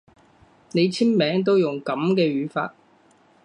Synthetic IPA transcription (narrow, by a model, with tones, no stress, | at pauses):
ne˨˧jt͡sʰiː˥nmɛː˨˥ŋt̪̬o˥wjʊ˨˩ŋkɐ˨˥mkɛː˧ɥyː˨˧˥fa̰ː˧t̚